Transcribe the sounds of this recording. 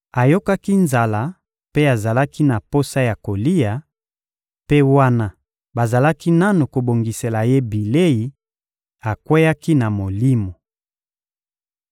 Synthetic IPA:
a˨jo˦ka˦ki˦nza˨la˦ | pe˦a˨za˨la˦ki˦na˨po˦sa˦ja˨ko˨li˦ja˨ | pe˦wa˦na˦ | ba˨za˨la˦ki˦na˦nu˨ko˨bo˨ŋɡi˨se˨la˨je˦bi˨le˦ji˨ | a˨kwe˦ja˦ki˦na˨mo˨li˦mo˨

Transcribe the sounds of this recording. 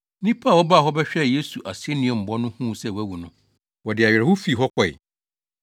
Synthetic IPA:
nĩ˦pʰa˦˨wɔ˦ba˦˨ɦɔ˦bɛ˦ɕᶣɛ˦˨je˦su˨ʔa˨se˦nɪ̃˦˨ɛ̃˨m̩˨bɔ˦nʊ̃˦hũ˦sɛ˦˨wæ˦wu˨nʊ̃˦ | wɔ˨dɪ˨a˨ɥɛ˨ɛ˨hʊ˦fi˦˨ɦɔ˦kʰʷɔ˨j̰

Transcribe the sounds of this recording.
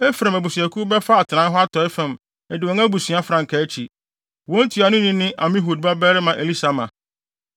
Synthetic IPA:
ɛ˦fɾã˨mæ˨bu˨sɥæ˨kʰu˦bɛ˦fa˦a˨tʰɪ˨nã˨˦n˦ɦɔ˦a˦tʰɔ˨˦ɪ˦fæ̃˨m | ɛ˨dɪ˨wɔ̃˨˦ŋæ˦bu˨si˨a˦fɾã˨ŋ̩˨kʰæ˨˦t͡ɕʰi˨ | wɔ̃˦n˦tʰi˨a˨nʊ̃˦nĩ˦nɪ̃˦ʔa˨mɪ̃˦ɦu˨d̚ba˦bɛ˦ɾɪ˦mã˨ʔe˨li˦sa˨mã̰˨

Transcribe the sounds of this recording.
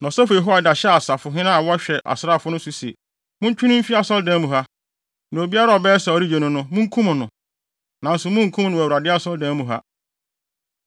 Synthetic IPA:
nã˨sɛ˦fʊ˨ɛ˨ɦo˦a˨da˨ɕɛ˦a˨sa˨fʊ˨ɦɪ̃˦nã˦a˨wɔ˦ɕᶣɛ˨ʔa̰˨sɾa˦˨fʊ˦nʊ̃˦su˨sɛ̰˨ | mʊ̃˦ɲ˦t͡ɕᶣʰũ˦nʊ̃˦m̩˦fi˦a˦sɔ˦ldɛ̃˦mũ˨ɦa˦ | nã˨o˨bi˦a˦ɾa˦ɔ˨bɛː˦sa˨ɔ˨˦ɾi˦d͡ʑe˨nʊ̃˨nʊ̃˦mʊ̃˦ŋ̩˦kʰũ˦mʊ̃˨nʊ̃˨ | nã˨n̩˦sʊ˨mʊ̃˦ŋ̩˨˦kʰũ˦nʊ̃˨wɾa˨dɪ˦a˦sɔ˦ldɛ̃˦mũ˨ɦa̰˦

